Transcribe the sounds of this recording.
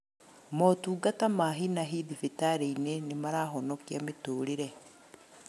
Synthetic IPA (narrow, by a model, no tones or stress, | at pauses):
motuːɡatamaɦinaɦiðifitaɾeinenemaɾaːɦonokjamituːɾiɾe